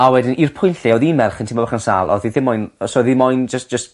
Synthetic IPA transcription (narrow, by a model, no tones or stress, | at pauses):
awɛdɪnirpʰʊjnɬiɔðinmɛrχəntʰɪmɔbaχənsa̰ːlˠɔ̰ðiθɪmɔjnsɔðimɔjnd͡ʒəstd̥d͡ʒ̥əst